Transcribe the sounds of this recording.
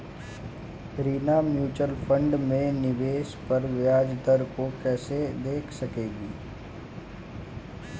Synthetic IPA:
ɾiːnamjuːt͡ʃəlfʰə̃ɳɖmẽnɪʋeːʃpɐɾʋjaːd͡ʒd̪əɾkokɛːsed̪eːkʰsɐkeːɡiː

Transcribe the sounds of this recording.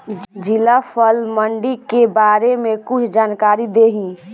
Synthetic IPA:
d͡ʒilapʰəlməɳɖikebaːɾemẽkʊt͡ʃʰd͡ʒaːnkaːɾid̪eɦĩː

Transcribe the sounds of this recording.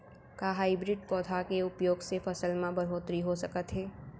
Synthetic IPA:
kaɦaːibɾɪɖ̚kɔːd̪ʰʱakeʊpjoːɡsefɐsəlmãbəɾɦoːt̪ɾiɦosɐkət̪ɦɛː

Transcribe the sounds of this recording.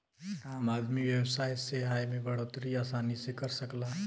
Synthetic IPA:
aːmad̪miʋjəwsaːjseɦajmẽbəɽot̪ɾiaːsaːnisekəɾsəkla

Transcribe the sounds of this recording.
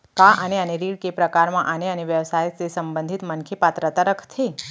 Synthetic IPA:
kaʔəneəneɾiɽkepɾəkaɾmãʔəneəneʋjəʋsajsesəmbə̃nd̪ʱit̪mənkʰepat̪ɾət̪aɾəkʰt̪ʰe

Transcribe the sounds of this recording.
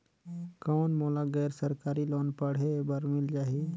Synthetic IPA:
kɔːnmoːlaɡɛːɾsəɾkaːɾiloːnpəɽ̤ebəɾmɪld͡ʒaːɦi

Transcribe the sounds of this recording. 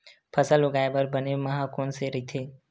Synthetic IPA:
pʰəsəlʊɡaːebəɾbənemɐɦãkoːnseɾəit̪ʰeː

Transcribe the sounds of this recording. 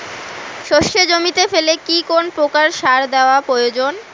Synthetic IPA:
ʃoʃːed͡ʑomit̪efelekikonpɾokaɾʃaɾd̪eoapɾojod͡ʑon

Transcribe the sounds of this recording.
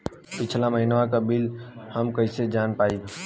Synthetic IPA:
pɪt͡ʃʰlaməɦɪnʋakabɪlhəmkəɪsed͡ʒaːnpaːi

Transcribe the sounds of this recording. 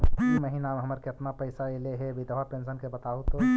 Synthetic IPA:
mɛɦĩnaːmɦɐməɾkeɐpnapɐɪsaeleɦebʱid̪əʋapẽːnsənkebɐt̪aːot̪o

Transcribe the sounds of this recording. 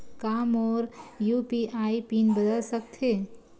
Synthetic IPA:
kaːmɔːɾjupiaːipinbəd̪əlsək̚t̪ʰɦe

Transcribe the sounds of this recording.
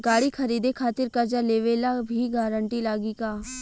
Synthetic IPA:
ɡaːɽikʰɐɾiːd̪ekʰaːt̪ɪɾkɐɾd͡ʒaleːʋeːlabʱiɡaːɾə̃ɳʈilaːɡikaː

